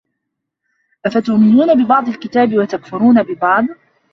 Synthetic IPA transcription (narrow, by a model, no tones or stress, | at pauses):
ʔafat̪ʊʔmɪnuːnabɪbɑʕd̪ˤɑlkɪt̪aːbɪwat̪akfʊɾuːnabɪbɑʕd̪ˤ